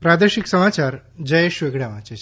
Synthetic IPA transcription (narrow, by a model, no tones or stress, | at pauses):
pɾad̪eʃiksəmat͡ɕaɾd͡ʑəjeʃʋeɡɽjaʋãt͡ɕet͡ɕʰ